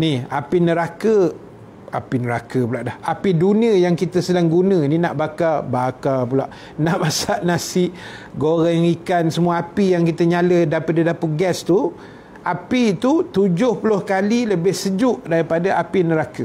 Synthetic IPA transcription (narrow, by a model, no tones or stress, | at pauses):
niha̰pinəɾakə | apinəɾakəpulaʔdahapidunĩəjaŋkit̪əsəlaŋɡunə̃ninaʔbakabakapulaʔ | naʔmasaʔnasɪʔ | ɡoɣajŋikansəmuaapijaŋkit̪əɲalədapadidapəɡɛst̪u | apit̪ut̪ud͡ʒʊhpəlʊhkaliləbɪhsəd͡ʒʊʔdaɾipadaʔapinəɾakə